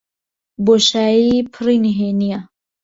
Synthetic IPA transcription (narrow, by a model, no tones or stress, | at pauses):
boʃaːjipʰɨriniɦenija